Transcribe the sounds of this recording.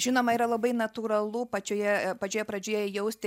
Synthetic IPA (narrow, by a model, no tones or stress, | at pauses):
ʒʲɪnoːmɐiːɾɐlˠɐbɐɪnɐt̪uːɾɐlˠupɐt͡ʃʲoːjɛpɐt͡ʃʲoːjɛpɾɐd͡ʒʲeːjɛjɛʊsʲt̪ʲɪ